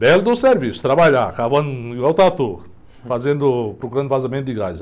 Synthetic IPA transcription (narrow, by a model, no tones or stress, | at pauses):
bɛld̪ʊseɾvisʊ̥t̪ɾabaʎakavɐ̃niɡwawt̪at̪u | fazẽnd̪ʊpɾɔkuɾɐ̃nd̪fazamẽnt̪d̪ɪɡaz